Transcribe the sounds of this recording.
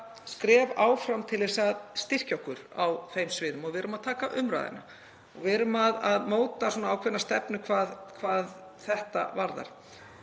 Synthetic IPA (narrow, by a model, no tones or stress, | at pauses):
skɾɛːvaːwfɾamt̪ʰɪlɪsaðst̪ɪr̥cawhkʏɾ̥a̰wfejmsvɪːðʏmɔɣvɪɾʏmaðt̪ʰaːkaʔʏmɾa̰ːðɪ̰na̰ | ɔɣvɪðɾʏmaðaðmoːwt̪asɔːnaaːwkʰvɛnast̪ɛpnʏkʰvaːðkʰvaːð | θɛht̪a̰vaɾða̰ɾ̥